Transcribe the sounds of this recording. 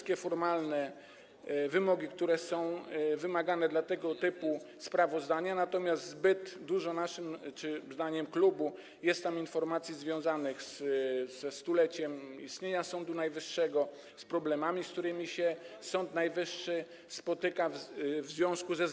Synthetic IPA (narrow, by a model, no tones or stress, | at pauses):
kʲɛfɔɾmalnɛ | vɘmɔɡʲik̚t̪uɾɛsɔ̃w̃vɘmaɡanɛd̪lat̪ɛɡɔt̪ɘpu | spɾavɔzd̪aɲanat̪ɔmʲjast̪zbɘd̪d̪uʐɔnaʂɘmt͡ʂɘzd̪aɲɛmklubu | jɛst̪ːaminfɔɾmat̪sʲjizvʲjɔ̃w̃zanɘxszɛst̪ulɛt͡ɕɛmḭst̪ɲeɲasɔnd̪unajvɘʂːɛɡɔ | spɾɔblɛmamʲiskt̪uɾɘmʲiɕɛsɔnt̪najvɘʂːɘ | spɔt̪ɘkavvzvʲjɔ̃skuzɛ